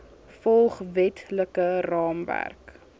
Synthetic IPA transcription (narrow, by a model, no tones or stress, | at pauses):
fɔlˠχvɛtʰləkərɑːmvæ̰rk